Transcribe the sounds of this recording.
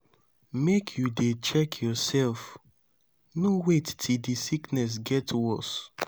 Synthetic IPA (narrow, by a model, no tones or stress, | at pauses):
mekʰjudet͡ʃɛkʰjɔsɛlf | nowettʰildisiknɛs̬ɡɛtwɔs